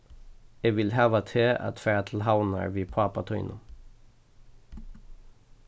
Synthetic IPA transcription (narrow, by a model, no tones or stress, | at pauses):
eːʋɪlhæːʋɑt̪ʰeːʔɑ̰t̪fæːt̪ʰl̩ɦɑʊnə̰ɹʋiːpʰɑpɑt̪ʰœʏnʔʊ